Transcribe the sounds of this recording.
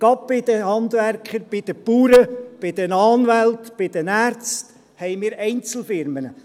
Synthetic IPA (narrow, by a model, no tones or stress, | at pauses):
ɡ̥ɑbɪd̥̪əhɑnd̪ʋærkχəɾb̥ɪd̥̪əpuːɾəb̥ɪd̥̪ɛnɑːnʋælt̪b̥ɪd̥̪ɛnæːɾt͡st | hɛɪmɪːɾɛɪnt͡sl̩fɪɾmənə